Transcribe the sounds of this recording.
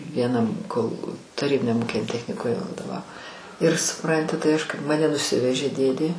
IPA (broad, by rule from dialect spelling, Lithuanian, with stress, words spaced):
ʋʲiɛˈnɐm koːlˠ tɐˈrʲiːbʲɪnʲɛm ˈuːkʲɪnʲɛm tʲɛxʲnʲɪˈkʊmʲɛ ʋɐdoːˈʋɑːʋoː ɪr sʊˈprɐnʲtʲɪ tɐɪ ˈɐʃ kɐɪp mɐˈnʲɛ nʊˈsʲɪʋʲɛʒʲeː ˈdʲeːdʲeː